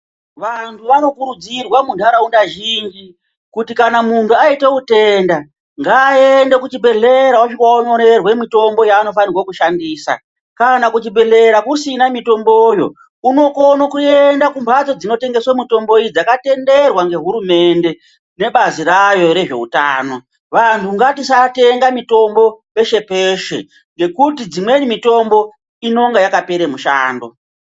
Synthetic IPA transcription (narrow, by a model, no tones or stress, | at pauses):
ʋantʰuʋano̞kuɾud͡zirwamuntuanaundaʒind͡ʒi | kutikanamuntuaite̞ute̞nda | ŋɡaːende̞kut͡ʃibʱe̞ɮe̞ɾawaʃikwaoɲo̞ɾe̞rwe̞mito̞mbo̞jaːno̞fanirwakuʃandiːsa̰ | kanakut͡ʃibʱe̞ɮe̞ɾakusinamito̞mbojo̞̰ | uno̞konokue̞ndakumbad͡zo̞d͡zino̞te̞ŋɡe̞swamito̞mbo̞id͡zakate̞nde̞rwaŋɡe̞ɦuɾume̞nde̞ | ne̞ɓaziɾajo̞ɾe̞ʐe̞̰utaːno̞ | ʋantʰuŋɡatisate̞ŋɡamito̞mbo̞pe̞ʃe̞peʃe | ŋɡe̞kutid͡zimwe̞nimito̞mbo̞ | ino̞ŋɡajakape̞ɾemuʃa̰ːndo̞